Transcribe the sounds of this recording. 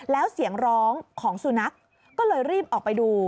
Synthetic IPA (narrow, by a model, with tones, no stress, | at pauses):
lɛː˦˥wsi˨˩˦əŋɾɔː˦˥ŋkʰɔː˩˦ŋsu˨˩na˦˥k̚ː | ɔː˥˩lɤː˧jɾiː˥˩p̚ʔɔː˨˩k̚pa˧jduː˧